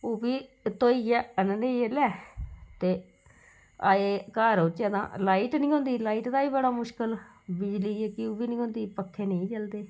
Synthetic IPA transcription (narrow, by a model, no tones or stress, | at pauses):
oːbiːt̪oːiːɛːənneːelɛːt̪eː | aːeːkaːɾot͡ʃɛːd̪ã̰ːlaːiːʈnĩːɦõːnd̪iːlaːiːʈd̪aːiːbəɽaːmʊʃkəl | bɪd͡ʒliːɛkɪoːbiːnĩːɦõːnd̪iːpəkʰːeːnəĩːt͡ʃəld̪eː